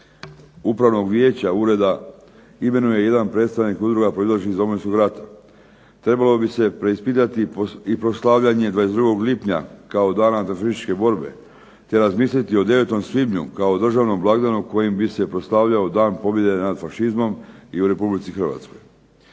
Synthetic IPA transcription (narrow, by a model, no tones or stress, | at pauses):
upɾaʋno̞ɡʋjeːt͡ɕauɾe̞d̪a | ime̞nuje̞je̞d̪anpɾe̞t̪st̪aʋnikud̪ɾuɡapɾo̞izlaʃizo̞moinsko̞ɡɾat̪ḁ | t̪ɾe̞balo̞bise̞pɾeispit̪at̪iipɾo̞slˠaʋʎaɲe̞d̪ʋaːje̞sd̪ɾuɡo̞ɡlipɲa̰kao̞d̪aːnat̪ɾafʃisi̥t͡ʃke̞bo̞ɾbe̞ | t̪e̞ɾazmiːs̬lit̪io̞d̪e̞ʋe̞t̪o̞msʋibɲṵkaod̪r̩ʒaʋno̞mblˠaɡd̪anuko̞jimbise̞pɾo̞slaʋʎaod̪aːnpo̞bje̞d̪e̞nad̪faʃizmo̞miuɾe̞publit̪sixr̩ʋa̰t̪sko̞̰j